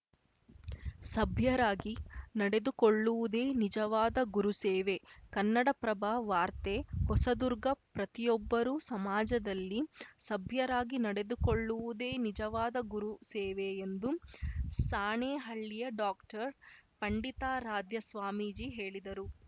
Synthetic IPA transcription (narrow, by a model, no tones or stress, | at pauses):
sɐbʱjɐɾaːɡinɐɽe̞d̪ukoɭːuʋud̪e̞ːnid͡ʒɐʋaːd̪ɐɡuɾuseːʋe̞kɐnːɐɽɐpɾɐbʱaːʋaːɾt̪ehɔsɐd̪uɾɡɐpɾɐt̪ijɔbːɐɾusɐmaːd͡ʒɐd̪ɐlːisɐbʱjɐɾaːɡinɐɽe̞d̪ukoɭːuʋud̪e̞ːnid͡ʒɐʋaːd̪ɐɡuɾuseːʋeːnd̪usaːɳeːɦɐɭːijɐɖaːkʈɐɾpɐɳɖit̪aːɾaːd̪ʱjɐsʋaːmiːd͡ʒiːɦe̞ːɭid̪ɐɾu